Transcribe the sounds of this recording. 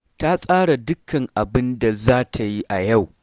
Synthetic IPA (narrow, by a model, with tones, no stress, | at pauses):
ta˦sʼaː˦ɽa˨dʊ˦kʰɐ˨ŋʔa˨bɪ˦nda˨zaː˦tʰa˨ji˦ʔa˨ja˦˨w